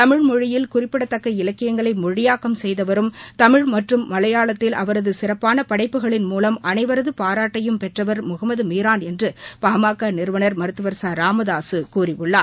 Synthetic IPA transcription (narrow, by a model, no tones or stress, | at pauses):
t̪ɐmɪɻmɔɻɪjɪlkʊrɪpːɪɽɐt̪ːɐkːɐɪlɐkːɪjɐŋɡɐɭɐɪmɔɻɪjaːkɐmsɛjðɐʋɐɾɯmt̪ɐmɪɻmɐʈrɯmːɐlɐjaːɭɐt̪ːɪlɐʋɐɾɐðɯsɪrɐpːaːnɐpɐɽɐɪpːɯɣɐɭɪnmuːlɐmɐnɐɪʋɐɾɐðɯpaːɾaːʈːɐjɯmpɛʈrɐʋɐɾmʊɣɐmɐðɯmiːɾaːnɛndrɯpaːmaːkːanɪɾɯʋɐnɐɾmɐɾɯt̪ːɯʋɐɾsaːɾaːmɐðaːsɯkuːrɪʋɯɭːaː